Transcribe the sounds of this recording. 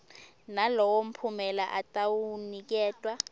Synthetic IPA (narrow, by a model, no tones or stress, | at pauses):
nalɔwom̩pʰumɛlaʔatʼawunik̬ɛːtʼwa